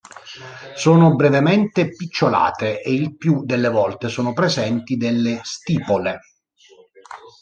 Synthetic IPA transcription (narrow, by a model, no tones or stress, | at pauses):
soːnobɾevement̪epit͡ʃːola̰ːt̪eʔːilpjud̪elːevɔlt̪esoːnopɾezɛnt̪id̪elːest̪iːpole